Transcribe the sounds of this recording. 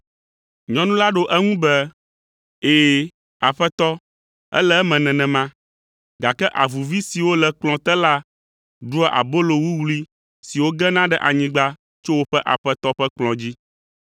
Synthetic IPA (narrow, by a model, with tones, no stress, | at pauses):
ɲɔ̃˦nũ˦la˦ɖo˦ʔɛ˦ŋũ˦bɛ˦ | eː˨ | a˨ɸɛ˦t̪ɔ˦ | ɛ̰˦lɛ˦ɛ˦mɛ̃˨nɛ̃˨nɛ̃˨mã˦ | ɡa˨kɛ˦ʔa˨vu˨vi˦si˨wo˦lɛ˨k͡plɔ̃˨t̪ɛ˦la˦ | ɖu˦ɛ˦ʔa̰˨bo˦lo˨wu˦wli˦ | si˨wo˦ɡɛ˦nã˦ɖɛ˨ʔa˨ɲĩ˦ɡ͡ba˦ | t͡ʃo˦wo˦ɸɛ˦ʔa̰˨ɸɛ˦t̪ɔ˦ɸɛ˦k͡plɔ̃˨d͡ʑi˦